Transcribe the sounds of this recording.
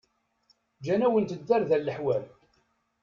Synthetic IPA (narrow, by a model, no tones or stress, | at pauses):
d͡ʒænæwənt̪əd̪ːæɾðælːəħwæl